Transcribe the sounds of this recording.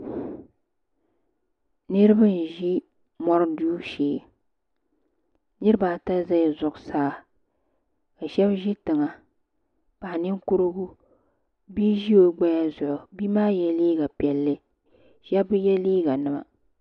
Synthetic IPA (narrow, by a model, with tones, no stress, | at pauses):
nɨ˦ɾɨ˦bɨ˦n̩˨ʒi˦ | mɔ˦ɾduː˦ʃeː˨˦˨ | nɨ˦ɾɨ˦ba˨ta˦za˦jzʊ˨ʔʊ˨saː˦˨ | ka˨ʃɛ˦bʒi˦tɨ˨ŋa˨ | pa˨ʔnɪ˦ŋku˦ɾɨ˦ɡu˦ | bi˦ʒi˦o˦ɡ͡ba˦ja˦zʊ˨ʔʊ˨bi˦maː˦jɛ˦liː˦ɡa˨pɛ˨lːɨ˦ | ʃɛ˦bjɛ˦liː˦ɡa˨nɨ˨ma̰˨